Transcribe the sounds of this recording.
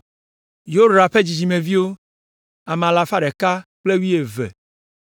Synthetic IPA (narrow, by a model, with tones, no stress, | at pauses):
jo˦ɾa˨ɸe˦d͡ʑi˨d͡ʑi˨mẽ˨vi˦wo˦ | a˨m̃˨a˨la˨fa˦ɖɛ˨ka˦k͡ple˦wi˦e˨vɛ̰˨